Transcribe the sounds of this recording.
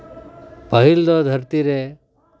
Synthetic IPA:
pəɦild̪ɔd̪ʱəɾt̪iɾe

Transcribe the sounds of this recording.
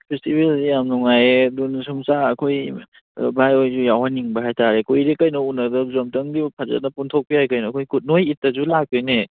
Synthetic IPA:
pʰestibeljamnuŋajdunsʰumsaːkʰoj | bajojzujawhaniŋbɐɦajtaɾekujɾekɐjnɔunɐdɐzɐmtɐŋdipʰazɐ̰t̚nɐpuntʰok̚pijajkɐjnɔkʰojkut̚nojit̚ːɐzulak̚ːɯjne

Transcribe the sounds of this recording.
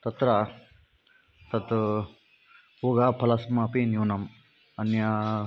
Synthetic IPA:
t̪ɐt̪ɾa | t̪ɐt̪ | uɡaːpʰɐlɐsmapinjiwnɐm | ɐnja

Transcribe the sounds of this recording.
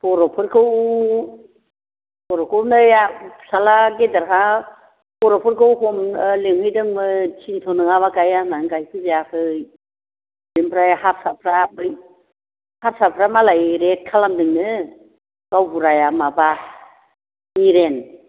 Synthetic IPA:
pɔɾɔpʰɯɾkʰɯw | bɔɾɔkʰɯwnɯjasalaɡedaɾkʰa | bɔɾɔpʰɯɾkʰɯwhɔmleŋhɯjdɯŋmɯt͡ʃʰintʰɔnɯŋaβakajanaŋɡajkʰɯzijakʰɯj | ɾimpʰɾajhasapʰɾab | haɾsapʰɾamalajɾet̚kʰalamdɯŋnɯ | ɡ̥awbuɾajamaba | niɾen

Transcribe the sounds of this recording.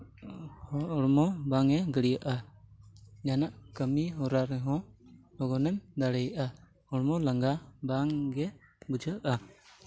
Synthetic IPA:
hɔːɽmɔbaŋɛɡəɽijaʔa | janaʔkəmiɦɔɾaɾɛɦɔ̃lɔɡɔnɛmd̪aɽɛjʔa | ɔɽmɔlaŋɡabaŋɡɛbud͡ʒəʔa

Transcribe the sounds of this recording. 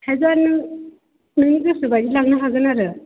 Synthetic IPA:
hezaɾnɯ | nɯniɡɯsɯbadilaɡ̚nɯɦaɡɯnaɾɯ

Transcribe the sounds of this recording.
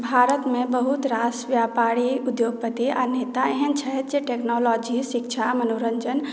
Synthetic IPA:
bʱaɾət̪mẽbəɦut̪ɾasʋjapaɾiud̪joɡ̚pət̪ianeːt̪aeɦənt͡ʃʰəɦɛt̪d͡ʒeʈeknɔlɔd͡ʒiʃikt͡ʃʰamənoɾənd͡ʒən

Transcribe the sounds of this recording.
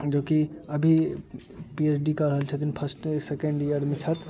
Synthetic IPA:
d͡ʒoːkiəbʱi | piesɖikəɾəɦəlt͡ʃʰət̪inpʰəɾsʈsekẽɳɖijəɾmẽt͡ʃʰət̪

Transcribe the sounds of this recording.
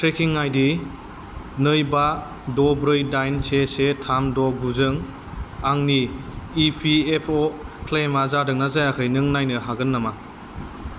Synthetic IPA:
tɾekʰiŋːajdi | nɯjba | dɔbɾɯjdajnsesetʰamdɔɡuzɯŋ | aŋniː | pʰiepʰokʰlemazadɯŋnazajakʰɯjnɯŋnajnɯɦaɡɯnːama

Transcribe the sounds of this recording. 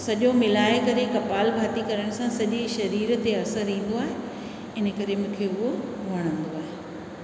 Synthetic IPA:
sɐʄomɪlaːekɐɾekɐpaːlbʱaːt̪ikɐɾəɽ̃sãsɐʄiʃɐɾiːɾt̪eɐsəɾĩːn̆d̪oaːɦe | ɪnə̆kɐɾemũːkʰeʊɦoʋɐɽ̃ə̃nd̪oaːɦe

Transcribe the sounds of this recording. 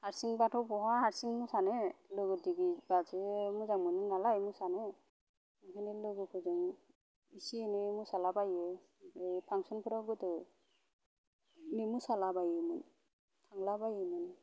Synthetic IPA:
haɾsiŋbatʰɔwbɔɦahaɾsiŋmusanelɯɡɯdiɡibazemuzaŋmɯnɯnalajmusane | nkʰanelɯɡɯpʰɯzɯŋ | isienemusalabaje | epʰaŋsɔnpʰɯɾɔɡɯtɯ | nemusalabajɯmɯn | tʰaŋlabajɯmɯni

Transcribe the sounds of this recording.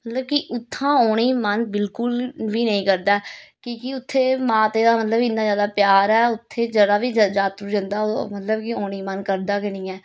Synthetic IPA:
mət̪ləbkiʔʊt̪ʰːãːoːɽ̃iːmənbɪlkʊlʋiːnəĩːkəɾd̪aːkõːkiʊt̪ʰːeːmãːt̪eːd̪aːmət̪ləbkɪnːaːd͡ʒjaːd̪aːpjaːɾɛːʊt̪ʰːeːd͡ʒəɽaːʋiːd͡ʒaːt̪ɾud͡ʒə̃nd̪aːmət̪ləbkioːɽ̃iːmənkəɾd̪aːkənĩːɛː

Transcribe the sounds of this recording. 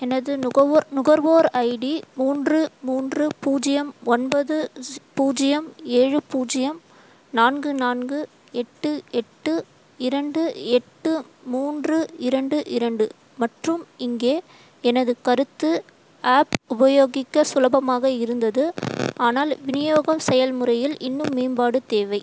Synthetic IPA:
ɛnɐðɯnʊɣɐɾʋoːɾɐɪɽimuːndrɯmuːndrɯpuːd͡ʒɪjɐmɔnbɐðɯpuːd͡ʒɪjɐmeːɻɯpuːd͡ʒɪjɐm | naːnɡɯnaːnɡɯ | ɛʈːɯɛʈːɯ | ɪɾɐɳɖɯɛʈːɯmuːndrɯɪɾɐɳɖɯʔɪɾɐɳɖɯ | mɐʈrɯmɪŋɡeː | ɛnɐðɯkɐɾɯt̪ːɯ | aːpʊbɐjoːɣɪkːɐsʊlɐbɐmaːɣɐɪɾɯnd̪ɐðɯaːnaːlʋɪnɪjoːɣɐmsɛjɐlmɯrɐjɪlɪnːɯmːiːnbaːɽɯt̪eːʋɐɪ

